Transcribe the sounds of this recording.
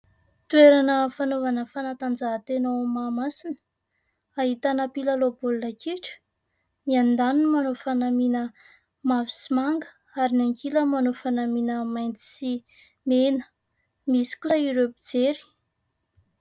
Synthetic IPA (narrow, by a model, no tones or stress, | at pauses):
t̪ueɾanəfanovanəfanat̪and͡zaɦt̪enomamasinə̥ | aɦit̪anəpilalobulunəkiʈ͡ʂə̥ | miand̪anunmanofanaminə | mavi̥simaŋɡə | aɾinaŋkiləmanofanaminəmajnt͡s̪i̥si | menə̥ | misi̥kusəiɾebid͡zeɾi̥